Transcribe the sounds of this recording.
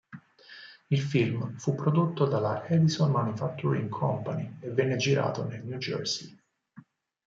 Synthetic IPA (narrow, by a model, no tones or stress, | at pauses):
ilfilmfupːɾod̪ot̪ːod̪alaʔɛd̪isonmanufak̚t̪ːuɾḭŋkʰɔmpanievːɛnːed͡ʒiɾa̰ːt̪onelnjud͡ʒɛ̰ɾsi